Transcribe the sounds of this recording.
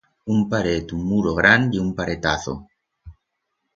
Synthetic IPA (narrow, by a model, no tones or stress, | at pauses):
umpaɾet̪ummuɾoɣɾaniumpaɾet̪aθo̰